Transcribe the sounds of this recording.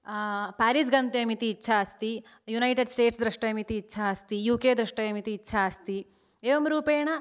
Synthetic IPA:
paːɾis̬ɡɐnt̪eɐmit̪iːtːʃʰaɐst̪i | junɐjʈeɖsʈeːʈsd̪ɾɐʂʈɐɐmit̪iːtːʃʰaɐst̪ijuːkeːd̪ɾɐʂʈɐjɐmit̪iːtːʃʰaːɐst̪i | eːʋomɾuːpeːɳɐ

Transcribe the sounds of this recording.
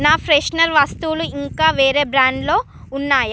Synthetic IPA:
naːpʰɾeʂnɐɾʋɐst̪uluiŋkaːʋeːɾe̞ːbɾaːɳɖlo̞ː | unːaːja

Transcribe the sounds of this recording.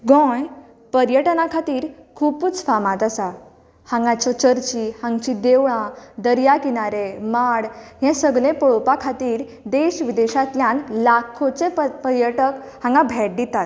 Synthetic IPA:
ɡɔ̃j | pəɾjəʈnakʰat̪iːɾkʰuput͡sfamãt̪asa | hãŋɡãt͡ɕɔt͡ɕəɾt͡ɕihãŋɡt͡ɕid̪eʋɭãd̪əɾjakinaɾemaɽɦɛ̃səɡɭẽpɔɭopakʰat̪iːɾ | d̪eɕʋid̪eɕat̪ljãnlakʰõt͡sepəɾjəʈək | hãŋɡabʱɛʈ̚d̪it̪at̪̚

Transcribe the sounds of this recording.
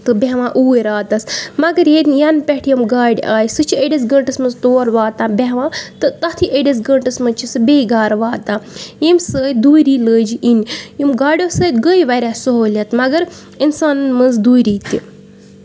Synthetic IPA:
t̪ɨbeɦʋãːʔuːeɾaːt̪ɐsmɐɡəɾjed̪ʲjanpʲɛʈʰjɐmɡaːɖʲaːjsɨt͡ʃʰieɖʲɐs̬ɡɐɳʈɐsmɐnzt̪oːɾʋaːt̪ãːbʲeɦʋãːt̪ɨt̪ɐt̪ʰiʔeɖʲɐs̬ɡɐɳʈɐsmɐt͡ʃʰisɨbeːiɡaːɾʋaːt̪ãːjemsəːd̪uːiɾiːləːd͡ʒiʔinjimɡaːɖʲoːsəːt̪ɡəjʋɐɾʲasoɦoːlʲɐt̪mɐɡəɾ | insaːnɨnmɐnzd̪uːjɾiːt̪i

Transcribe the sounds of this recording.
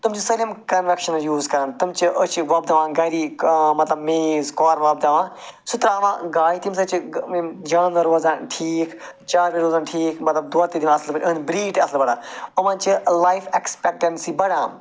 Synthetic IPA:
t̪umd͡ʒisɐlɐmkɐnʋɐkʃɐnjuːzkɐɾɐnt̪ɐmt͡ʃiʔɐt͡ʃʋɐb̚d̪ɐʋãːɡɐɾiːmɐt̪lɐbmeːzkɔːɾʋɐːb̚d̪ɐʋãː | sʊt̪ɾaːʋã̰ːɡaːit̪imsɐt͡ʃid͡ʒaːnɐɾoːzãnʈʰiːkʰ | t͡ʃaːɾʋiɾoːzaːnʈʰiːkʰmɐt̪lɐb̚d̪uat̪iːd̪iʋaɐslbɐʈʲʔɐnbɾiːʈɐslbɐɽaːɐmãːnt͡ʃilaːjfekspek̚ʈɐnsibɐɽãː

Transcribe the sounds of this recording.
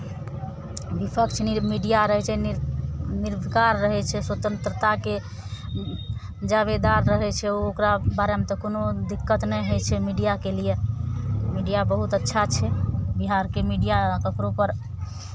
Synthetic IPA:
bipʰəkt͡ʃʰnimiɖijaɾəɦɛt͡ʃʰɛ | niɾbʱkaɾːəɦɛt͡ʃʰɛswət̪ənt̪ɾət̪ake | d͡ʒaβed̪aɾːəɦɛt͡ʃʰɛookɾabaɾemet̪ɔkonod̪ikːət̪nɛjɦot͡ʃʰɛmiɖijakelije | miɖijabəɦut̪ətːʃʰat͡ʃʰɛbiɦaɾkemiɖijakəkɾopəɾ

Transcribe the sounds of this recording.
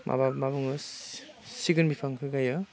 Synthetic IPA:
mʔa̰bamabɯŋɯ | siɡɯnbipʰaŋkʰɯɡajɔ

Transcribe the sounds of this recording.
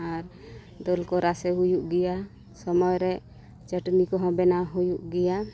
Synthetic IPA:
aɾ | d̪ɔlkɔɾasɛɦujuʔɡɛja | sɔmɔjɾɛ | t͡ʃəʈnikɔɦɔ̃bɛnaɦujuʔɡɛja

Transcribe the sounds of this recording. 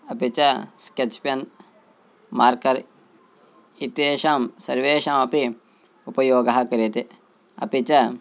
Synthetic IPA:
ɐpit͡ʃɐsket͡ʃpjɐn | maːɾkɐɾ | it̪eːʃaːmsɐɾʋeːʃamɐpi | upɐjoːɡɐɦɐkɐɾet̪e | ɐ̰pit͡ʃɐ

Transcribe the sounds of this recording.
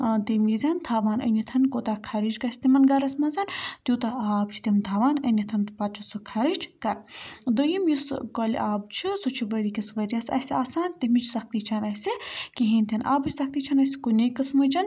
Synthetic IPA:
t̪emizʲɐnt̪ʰaːʋaːnʔɐ̰nʲit̪ʰɐnkoːt̪aːkʰɐɾit͡ʃkɐsʲt̪imɐnɡɐɾɐsʲmɐnzɐnt̪ʲjuːt̪ɐaːb̚t͡ʃʰi̥t̪imt̪ʰaːʋaːnɐnit̪ʰɐnt̪pɐt̪t͡ʃʰusukʰɐɾit͡ʃkɐɾd̪ojimjiskol̰ʲʔaːbt͡ʃʰisut͡ʃʰiʋəɾikisʋɐɾiɐsɐ̰sʲiaːsaːnt̪imit͡ʃʰsɐk̚t̪iːt͡ʃʰanɐsʲikiɦinʲt̪ʰʲɐnʔa̰ːbɨt͡ʃʲsɐk̚ʰt̪iːt͡ʃʰɐnɐsi̥kunekɐsmɨd͡ʒɐn

